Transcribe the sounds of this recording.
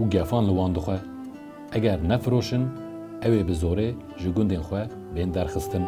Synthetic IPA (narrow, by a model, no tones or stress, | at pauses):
uɡɛfɑːnlɨwɑːnd̪ɨxʷɛ | ʔɛɡɛɾnɛfɨɾoːʃɨn | ɛweːbɨzoːɾeː | ʒɨɡʊnd̪eːnxʷɛ | beːnd̪ɛɾxɨst̪ɨn